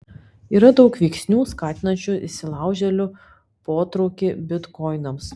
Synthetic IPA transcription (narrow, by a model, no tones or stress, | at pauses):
iːɾɐd̪ɒʊkʋʲɛɪksʲnʲuːskɑːt̪ʲɪnɐnʲt͡ʃʲʊɪsʲɪlˠɑˑʊʒʲɛlʲʊ | poːt̪ɾɔʊkʲɪbʲɪt̪kɔɪnɐms